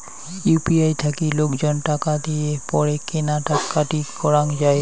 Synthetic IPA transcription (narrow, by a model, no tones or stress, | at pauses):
jupiajt̪ʰakilokd͡ʑonʈakad̪ijepɔɾekenaʈakːaʈikɔɾaŋd͡ʑae